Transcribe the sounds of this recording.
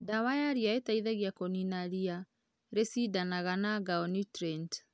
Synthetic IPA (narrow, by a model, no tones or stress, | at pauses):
dawajaɾiaetaiðaɣjakɔninaɾia | ɾesidanaɣanaɡaɔnitɾɛnt